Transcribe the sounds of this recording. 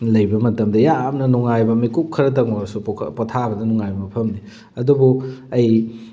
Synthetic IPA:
lɐjbɐmɐtɐmdɐjamnɐnuŋajbɐmikup̚kʰːɐɾɐtɐŋoɾɐsṵpotʰabɐdɐnuŋajbɐmɐpʰɐmni | ɐdubuɐj

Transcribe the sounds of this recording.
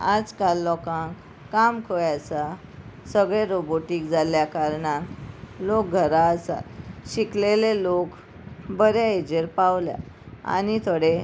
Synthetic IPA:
ad͡zkalːɔkãŋkː | amkʰojat͡sa | səɡɭeɾoboʈikd͡zaljakaɾɳatlok̚ɡʱəɾaəsa̰lɕiklelelok | bəɾjaed͡ʑeɾpawlja̰ | a̰nit̪ʰəɽe

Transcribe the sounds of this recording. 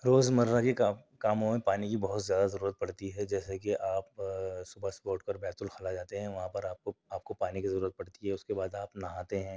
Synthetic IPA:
ɾoːzmɐɾːakikaːkaːmõmẽpaːnikibɐɦʊt̪zjaːd̪azɐɾuːɾət̪̚pɐɽ̤t̪iɦɛd͡ʒɛːsekiʔaːpsʊbəspoːʈkəɾbɛːt̪ʊlxɐlad͡ʒaːt̪eɦɛ̃ʋɐɦãpɐɾaːp̚koaːp̚kopaːnikizɐɾuːɾət̪̚pɐɽ̤t̪iɦɛʊskebaːd̪aːpnɐɦaːt̪eɦɛ̃ː

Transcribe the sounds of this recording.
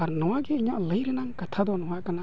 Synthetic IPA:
aɾnɔwaɡeiɲaʔləjɾɛnaŋkat̪ʰad̪ɔnɔwaʔkana

